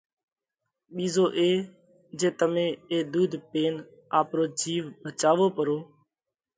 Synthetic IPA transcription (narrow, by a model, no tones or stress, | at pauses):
ɓiːzoːʔeː | d͡ʒeːt̪əmẽːeːd̪uːd̪ʱpeːn | aːpɾoːd͡ʒiːʋbʱət͡ʃaːʋoːpəɾoː